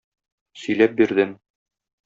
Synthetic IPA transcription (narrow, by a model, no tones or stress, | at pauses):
sɵ̆jlæp̚biɾd̪ɘm